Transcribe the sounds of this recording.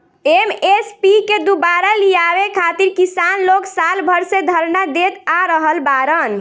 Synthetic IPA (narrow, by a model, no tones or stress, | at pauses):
emespiked̪ubaɾalijabekʰat̪iɾkisanloksalbʱəɾsed̪ʱəɾnad̪et̪aɾəɦəlbaɾən